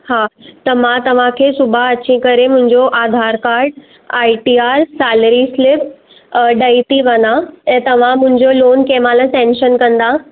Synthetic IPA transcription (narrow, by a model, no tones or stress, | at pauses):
haːt̪ɐmãt̪ɐʋ̤ãkʰeːsʊbʱaɐt͡ɕĩkɐɾemʊ̃ɦɪ̃ɲd͡ʑoʔaːd̪ʱaːɾkaːɾɖ | aːiʈiːaːɾsaːləɾislɪp | ɖɐit̪iʋɐnaɛ̃ːt̪ɐʋ̤ãmʊ̃ɦɪ̃ɲd͡ʑoloːnkeːmaːlãsɛ̃ːnʃənkɐ̃nd̪a